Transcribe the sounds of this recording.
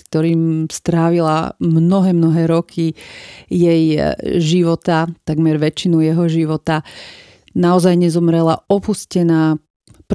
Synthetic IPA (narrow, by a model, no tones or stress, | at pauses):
k̚t̪ɔɾiːmst̪ɾaːʋila̰mnɔɦɛːmnɔɦɛːɾɔkʰijɛjʒiʋɔt̪at̪aɡmɛɾʋɛt͡ʃːinujɛɦɔʒiʋɔt̪a | naɔzajɲɛzɔmɾɛlaɔpuscɛnaː | pɾ